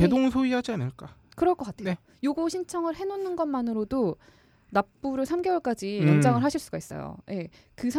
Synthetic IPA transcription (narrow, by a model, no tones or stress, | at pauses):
edoŋsʰoiɦad͡ʑianɯɭk͈akɯɾʌɭk͈ʌk͈atʰeo | joɡoɕʰint͡ɕʰʌŋɯɭhe̞nonːɯnɡʌnmanɯɾodo | nap̚p͈uɾɯɭsʰamɡe̞wʌɭk͈ad͡ʑijʌnd͡ʑaŋɯɭɦaɕʰiɭs͈uɡais͈ʌ̰jo̰jʔe̞ | kɯsʰ